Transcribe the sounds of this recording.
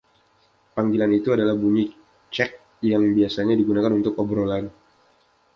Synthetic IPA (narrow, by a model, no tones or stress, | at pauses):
paŋɡilanit̪uadalahbuɲi | t͡ʃɛk̚ | jaŋbiasaɲadiɡunakanunt̪ʊkɔbɾolan